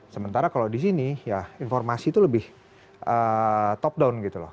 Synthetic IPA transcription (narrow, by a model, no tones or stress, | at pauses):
səmənt̪aɾakalawdisinijainfɔrmasiːt̪uləbɪh | ʔət̪ɔp̚dawnɡit̪ulɔ̰